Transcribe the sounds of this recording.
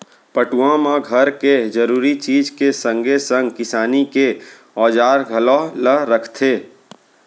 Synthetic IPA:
pəʈuãmãɡʱəɾked͡ʒəɾuːɾit͡ʃiːd͡ʒkesə̃ŋɡesə̃ŋɡkɪsaːnike | ɔːd͡ʒaːɾɡʱəlɔɦləɾəkʰt̪ʰeː

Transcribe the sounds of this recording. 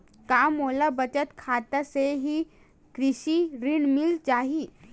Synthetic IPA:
kamolabət͡ɕət̪kʰat̪aseɦiː | kɾiɕiːɾiɳmilt͡ɕaɦi

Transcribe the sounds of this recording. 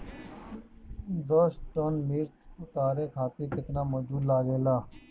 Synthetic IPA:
d̪oːsʈoːnmiːɾt͡ʃʊt̪aːɾeːkʰaːt̪iːpɪt̪naːmoːd͡ʒuːd̪laːɡeːlaː

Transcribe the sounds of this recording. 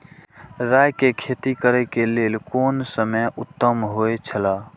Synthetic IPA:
ɾaːjkekʰeːt̪ikəɾekeleːlkoːnsəməjʊt̪ːəmɦoet͡ʃʰəlaː

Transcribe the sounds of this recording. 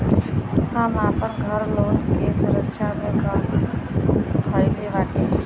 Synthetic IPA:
hãmãpəɾɡʱəɾloːnkesuɾəkʃʰamẽɡʱəɾ | t̪ʰəɪliʋaʈi

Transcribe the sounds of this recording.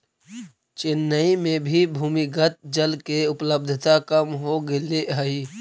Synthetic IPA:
t͡ʃɪnːəimẽbʱibʱuːmiɡət̪̚d͡ʒəlkeʊpləb̚d̪ʱt̪akəmɦoɡeleəiː

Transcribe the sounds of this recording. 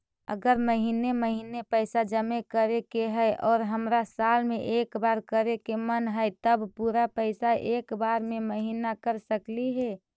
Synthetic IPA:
ə̰ɡəɾməɦiːneməɦinepəɪsad͡ʒəmekəɾekeɦɛɪʔɔːɾɦəmɾasaːlmẽʔeːkbaːɾkəɾekemənɦəɛt̪əbpuɾapəɪsaʔeːkbaːɾmẽməɦinakəɾsəkliɦɛ

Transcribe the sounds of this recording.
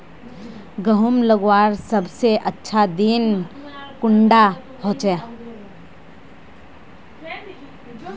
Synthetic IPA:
ɡəɦʊmləɡwaːɾsəbseʔətːʃʰad̪inkʊɳɖa | hoːt͡ʃɛ

